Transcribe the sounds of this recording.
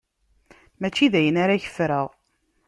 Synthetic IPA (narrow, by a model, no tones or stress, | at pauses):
mæt͡ʃːiðæjənaɾaçə̥fɾəʁ